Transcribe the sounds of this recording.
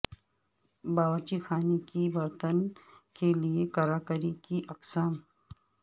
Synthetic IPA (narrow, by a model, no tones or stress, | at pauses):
baːʋət͡ʃixaːnekibɐɾt̪ənkeliekɐɾaːkəɾikiʔɐqsaːm